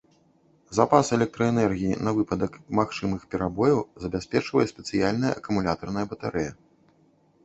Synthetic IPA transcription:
zapasɛlʲɛk̚t̪ɾɐɛnɛrɣʲijinɐvɨpɐd̪ɐkmaxt͡ʂɨmɨxpʲɛɾabɔjɐwzɐbʲasʲpʲɛt͡ʂvɐjɛsʲpʲɛt̪sɨjalʲnɐjɐʔɐkumulʲat̪ɐrnɐjɐbɐt̪aɾɛjɐ

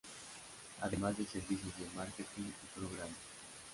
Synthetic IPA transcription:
a̰d̪emad̪eseɾvisizd̪emaɾket̪iŋɡipɾoɣɾam

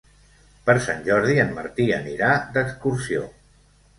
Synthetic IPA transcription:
pəɾsa̰nʲʒɔɾðiənməɾt̪iə̰niɾad̪əkskuɾsio̰

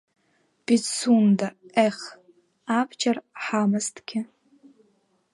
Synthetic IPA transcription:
b̥it͡sundaeχ | abd͡ʒʰɐrħamɐstʰɡʲɪ

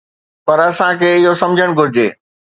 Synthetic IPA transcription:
pɐɾɐsãkʰeːɪɦosɐmd͡ʑʱəɽ̃ɡʱʊɾɪd͡ʑḛː

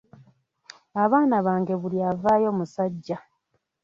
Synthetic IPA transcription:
aβaːnaβaːŋɡe̞βuliavaːjo̞ːmusaɟːa

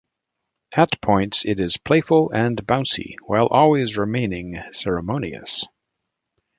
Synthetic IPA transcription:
ʔɨt̚pʰɔ̃ɪ̃ntsɪɾɪz̥pʰl̥eɪfl̩ˠɨ̃nbãʊ̃nsḭwaɪlˠʔɔlˠwizɹɨmẽɪ̃nɪ̃ŋsɛɹɨmõʊ̃niɨ̰s

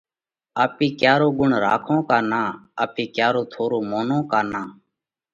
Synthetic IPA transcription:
aːpiːkjaːɾoːɡʊɳɾa̰ːkʰõːkaːnãːaːpiːkjaːɾoːt̪ʰoːɾoːmoːnõːkaːnaː

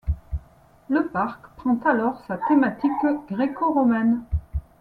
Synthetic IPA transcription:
ləpaʁkpχɑ̃t̪alɔʁsat̪emat̪ikɡʁekoʁɔmɛn

